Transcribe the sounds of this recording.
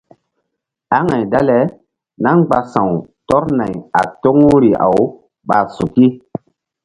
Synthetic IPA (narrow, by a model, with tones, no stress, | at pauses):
a˦ŋa˨jda˦lɛ˨˦ | na˦ŋɡ͡ba˨sã˨wtɔ˦ɾna˨ja̰˨to˦ŋu˦ɾi˨a̰˨w | ɓa˨su˨ki˦